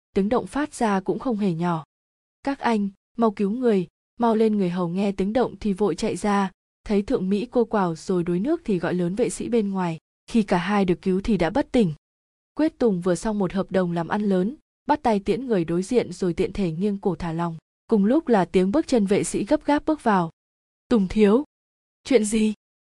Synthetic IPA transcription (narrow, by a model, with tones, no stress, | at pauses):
t̪i˨˦əŋɗə̰˧˨wŋ͡mfaː˦˥t̚z̥aː˧kʊ̰˧˥ŋ͡mxə˧wŋ͡mɦe˧˩ɲɔ˧˩ | kaː˦˥k̚ʔa˧jŋ̟ | ma˧wki˨˦wŋɨ˨˩əj | ma˧wle˧nŋɨ˨˩əjɦə˨˩wŋɛ˧t̪i˨˦əŋɗə̰˧˨wŋ͡mt̪ʰi˨˩vo̰˧˨jt͡ɕa̰˧˨jzaː˧ | t̪ʰə˨˦jt̪ʰɨ̰˧˨əŋmḭ˧˥ko˧kwaː˧˨˩wz̥o˨˩jɗo˨˦jnɨ˦˥ək̚t̪ʰi˨˩ɣɔ̰˧˨jləː˨˦nvḛ˧˨sḭ˧˥ɓe˧nŋwaː˨˩j | xi˧kaː˧˩ɦaː˧jɗɨ˨˩əkːi˨˦wt̪ʰi˨˩ɗa̰ː˧˥ɓə˦˥t̚t̪ï˨˩ŋ̟ | kwi˦˥ət̚t̪ʊ˨˩ŋ͡mvɨ˨˩əsa˧wŋ͡mmo˨˩t̚həː˨˩p̚ɗə˨˩wŋ͡mlaː˨˩mʔa˧nləː˨˦n | ɓaː˦˥t̚t̪a˧jt̪i˧˥ənŋɨ˨˩əjɗo˨˦jzḭ˧˨ənzo˨˩jt̪ḭ˧˨ənt̪ʰe˧˩ŋi˧ənku˧˩t̪ʰaː˧˩la˨˩wŋ͡m | kʊ˨˩ŋ͡mlʊ˦˥k͡p̚laː˨˩t̪i˨˦əŋɓɨ˦˥k̚t͡ɕə˧nvḛ˧˨sḭ˧˥ɣə˦˥p̚ɣaː˦˥p̚ɓɨ˦˥k̚vaː˨˩w | t̪ʊ˨˩ŋ͡mt̪ʰi˨˦əw | t͡ɕwḭ˧˨ənzi˨˩